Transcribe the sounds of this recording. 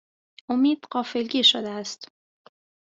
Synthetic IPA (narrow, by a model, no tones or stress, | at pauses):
ʔomiːd̪̥ɢɒːfelɟiːʃod̪eæst̪